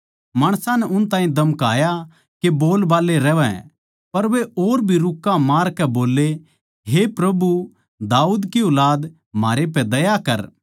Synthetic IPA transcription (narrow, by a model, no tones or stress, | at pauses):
maːɽ̃sãnɛʔʊnt̪ãːɦĩd̪ɐmkaːja | keboːlbaːleɾɛːʋɛ̰̃ | pɐɾʋeoːɾbʱiɾʊkːãmaːɾkɛboːle | ɦepɾɐbu | d̪aːuːd̪kiʊlaːd̪ | maːɾep̬ɛd̪ɐjakɐɾ